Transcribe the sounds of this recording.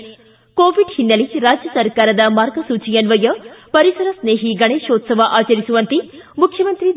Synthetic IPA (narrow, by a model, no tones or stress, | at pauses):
koːʋiɖhinːɐliɾaːd͡ʒjɐsɐɾkaːɾɐd̪ɐmaːɾɡɐsuːt͡ʃijɐnʋɐjɐpɐɾisɐɾɐsneːɦiɡɐɳeːʃoːt̪sɐʋɐʔaːt͡ʃɐɾisuʋɐnt̪imukʰjɐmɐnt̪ɾi